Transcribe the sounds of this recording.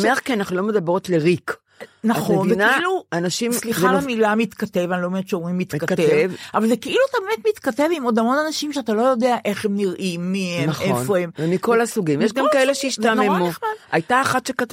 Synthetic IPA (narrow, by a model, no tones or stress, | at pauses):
meχkianaχnulo̞med̪abʁo̞t̪leʁik | naχoenieneailuanaʃimsliχaamilamit̪kate̞vanilomet͡ʃeomʁimːit̪katt̪evvʔavalze̞keʔiluat̪abeme̞t̪mit̪kate̞vimo̞dhamo̞nanaʃimʃeat̪alo̞jo̞de̞aʔe̞χhe̞mniʁʔimːihemnefo̞emvemiko̞lasuɡimjeʃ̬ɡamkaeleʃeiʃt̪amemuχmadʔajtaːχatʃekat̪